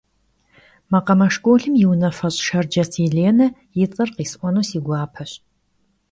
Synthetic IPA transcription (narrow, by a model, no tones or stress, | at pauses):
mɐqɐmɐʂkʷʼoːɬɨmjɪwnɐfɐɕʼʃɐrd͡ʒɐsʰiːɮeːnɐ | jɪt͡sʼɐrqiːsʔʷɔnoːsiːɡʷɑːpʰɐɕ